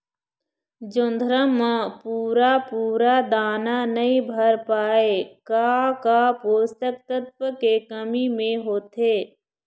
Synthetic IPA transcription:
d͡ʒʊ̃nd̪ʱɾəmə̃puːɾapuːɾad̪aːnanɐɦĩbʱəɾpaːekakapoːst̪ək̚t̪ət̪̚pəkekəmimẽɦoːt̪eː

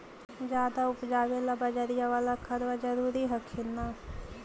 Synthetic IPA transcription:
d͡ʒjaːd̪aʊpd͡ʒaːʋeːlabəd͡ʒəɾijaʋaːlakʰəɾʋad͡ʒəɾuːɾiɦɐkʰɪnaː

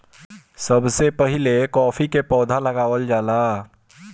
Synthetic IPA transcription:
səbsepəɦɪlekɔːfʰikepɔːd̪ʱaləɡaːʋəld͡ʒaːlaː

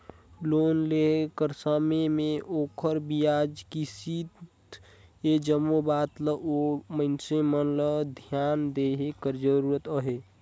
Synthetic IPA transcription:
loːnlekəɾsəmemẽʔoːkʰəɾbijaːd͡ʒkisiːt̪t̪ | ed͡ʒəmobaːt̪ləʔomənsemənləd̪ʱjaːnd̪eɦekəɾd͡ʒəɾuːɾət̪əɦe

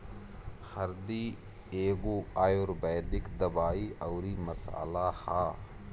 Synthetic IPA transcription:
hɐɾd̪iː | eːɡuːaːjoːɾbɛːd̪ɪkd̪ɐbaːiːʔɐwɾiːmɐsa̰ːlahaː

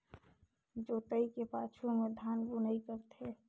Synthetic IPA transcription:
d͡ʒoːt̪əikepaːt͡ʃʰumẽd̪ʱaːnbunəikəɾt̪ʰe

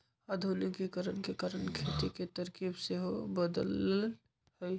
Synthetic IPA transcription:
əd̪ʱolikekəɾənkekaɾənkʰet̪iket̪əɾkibseɦobəd̪əll | həj

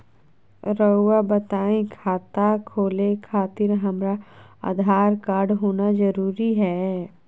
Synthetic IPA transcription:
ɾəuwabɐt̪aːẽkʰaːt̪akʰoːlẽkʰaːt̪ɪɾɦɐmɾaa̰d̪ʱaːɾkaːɾɖɦoːnazɐɾuːɾiɦɛː

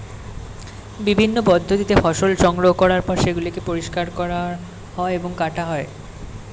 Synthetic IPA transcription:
bibʱinːopɔd̪ʱːot̪it̪efɔʃolʃɔŋɡɾoɦokɔɾaɾpɔɾʃeɡulikepoɾiʃkaɾkɔɾa | hɔeeboŋkaʈaɦɔe

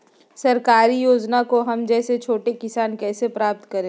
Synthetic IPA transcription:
sɐɾkaːɾijoːd͡ʒnakoɦɐmd͡ʒɛːset͡ʃʰoːʈekɪsaːnkɛːsepɾaːp̚t̪kɐɾẽː

